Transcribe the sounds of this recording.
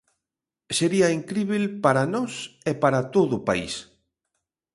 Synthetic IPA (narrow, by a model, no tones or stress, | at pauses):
seɾiaiŋkɾiβelpaɾanɔsepaɾat̪oðʊpa̰ḭs